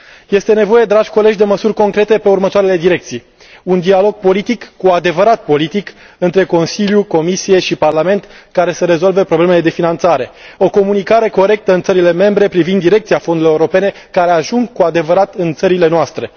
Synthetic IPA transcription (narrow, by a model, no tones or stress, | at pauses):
je̞st̪e̞ne̞vo̞je̞d̪ɾaʒʲko̞le̞d͡ʒd̪e̞məsurʲko̞ŋkɾe̞t̪e̞pe̞urmət̪oaɾele̞d̪iɾe̞k̚t̪sij | und̪ialo̞ɡ̚po̞lit̪ikːuad̪e̞vəɾat̪̚po̞lit̪ik | ɨnt̪ɾe̞ko̞nsiljuko̞misije̞ʃiparlame̞nt̪kaɾe̞səɾe̞zo̞lve̞pɾo̞blemele̞d̪e̞finant̪saɾe̞o̞ko̞munikaɾe̞ko̞ɾe̞k̚t̪əɨnt̪səɾile̞me̞mbɾe̞pɾivind̪ːiɾe̞k̚t̪siafo̞nd̪uloeuɾo̞pe̞ne̞ | kaɾe̞aʒuŋɡkuad̪e̞vəɾat̪ɨnt̪səɾile̞noast̪ɾe̞